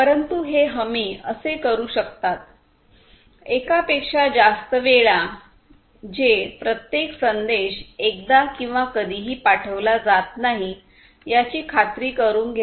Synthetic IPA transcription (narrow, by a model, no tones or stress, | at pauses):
pəɾənt̪uɦeɦəmiːəsekəɾuːɕəkt̪at̪̚ | ekapekʂad͡zast̪əʋeɭa | d͡ʑepɾət̪jeksənd̪eɕek̚d̪akĩw̃ʋakəd̪ʱiːɦiːpaʈʰəʋlad͡zat̪naɦi | jat͡ɕiːkʰat̪ɾiːkəɾuːnɡʱe